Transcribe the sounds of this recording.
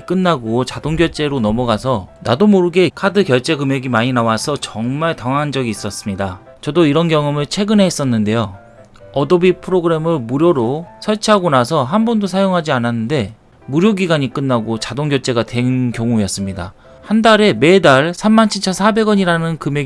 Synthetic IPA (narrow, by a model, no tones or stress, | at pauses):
k͈ɯnːaɡot͡ɕadoŋɡjʌɭt͡ɕ͈e̞ɾonʌmʌɡasʰʌnadomoɾɯɡe̞kʰadɯkjʌɭt͡ɕ͈e̞ɡɯme̞ɡimaɲinawasʰʌt͡ɕʌŋmaɭtʌŋand͡ʑʌɡiːs͈ʌs͈ɯmɲida | t͡ɕʌdoiɾʌnkjʌŋɯmɯɭt͡ɕʰe̞ɡɯneɦes͈ʌnːɯnde̞jo | ʌdʌbipʰɯɾoɡɯɾe̞mɯɭmuɾjoɾosʰʌɭt͡ɕʰiɦaɡonas̬ʰʌɦanbʌndosʰajoŋɦad͡ʑiananːɯnde̞ | muɾjoɡiɡaɲik͈ɯnːaɡot͡ɕadoŋɡjʌɭt͡ɕ͈e̞ɡatwe̞nnkjʌŋujʌs͈ɯmɲida̰ | handaɾe̞me̞daɭsʰamːant͡ɕʰiɭt͡ɕʰʌnsʰabe̞ɡʌɲiɾanɯnkɯme̞